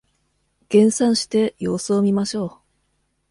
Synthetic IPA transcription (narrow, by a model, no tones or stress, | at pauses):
ɡ̥ẽ̞ɰ̃sãɰ̃ɕi̥t̪e̞jo̞ːsoːmʲimaɕo̞ː